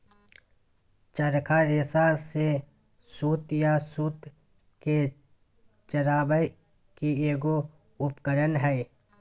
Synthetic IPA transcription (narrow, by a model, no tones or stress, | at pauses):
t͡ʃəɾkʰaɾɪsaːse | suːt̪jasuːt̪ | ke | t͡ʃəɾaːbəj | kieːɡo | ʊpkəɾənɦɛː